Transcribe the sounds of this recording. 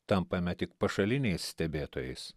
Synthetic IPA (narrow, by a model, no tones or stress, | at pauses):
t̪ɐmpɐmʲɛt̪ʲɪkpɐʃɐlʲɪnʲɛɪssʲt̪ʲɛbʲeːt̪oːjɛɪs